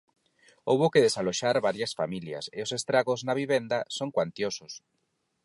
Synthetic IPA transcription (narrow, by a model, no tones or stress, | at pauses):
oβokeðesaloʃaɾβaɾjɐsfa̰milja̰seʊsest̪ɾaɣoznaβiβend̪ɐsoŋkwant̪josʊs